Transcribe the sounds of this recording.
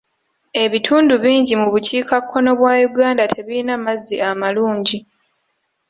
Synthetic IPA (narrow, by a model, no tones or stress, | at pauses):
e̞βitʰuːnduβiːɲɟimuβuciːkʰakʰːo̞no̞βwaːjuɡaːndatʰe̞βiinamazːiamaluːɲɟi